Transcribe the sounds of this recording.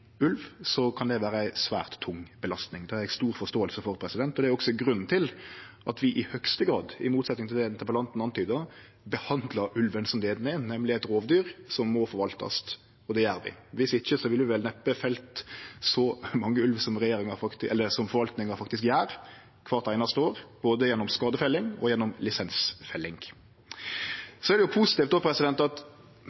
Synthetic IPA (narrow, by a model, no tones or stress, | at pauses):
ʉlʋsɔkʰɑnd̪ɛʋæːɾəæɪsʋæ̰ːʁt̪ʰːʊŋbəlɑst̪nɪŋd̪ɛæɾæɪst̪uːɾfɔst̪oːəlsəfɔɾpʰɾɛsɪd̪ɛnt̪ɔd̪ɛæɾɔksɔɡɾʉnːnt̪ʰɪlʔɑt̪ʋɪʔɪhœkst̪əɡɾɑːd̪ɪmuːt̪sɛt̪nɪŋt̪ʰɪld̪ɛɪnt̪ʰəpəlɑnt̪nɑnt̪ʰyːd̪ɑ | bəhɑnd̪ləɾʉlʋənsɔmleːd̪nɛnɛmlɪæɪt̪ɾoːʋd̪yːɾsɔmːɔfɔɾʋɑlt̪ɑ̰st̪ | ɔd̪ɛjæːɾʋɪ̰ʋɪsʋɪçːəsɔʋɪlʋɪʋɛlnɛpːəfɛlt̪sɔmɑŋːəʉlʋsɔmɾɛjeːɾɪŋɑfɑkt̪ɛlːəsɔmfɔɾʋɑlt̪nɪŋɑfɑkt̪ɪskjæːɾ | kʰʋɑːɾt̪æɪnɑst̪əoːɾb̥oːd̪əjɛnːɔmskɑːd̪əfɛlːɪŋɔ̰jɛnːɔmlɪsɛnsfɛlːɪŋ | sɔæɾd̪ɛjʊpʰuːsɪ̥t̪iːft̪d̪ɔːpʰɾɛsɪd̪ɛnt̪ɑt̪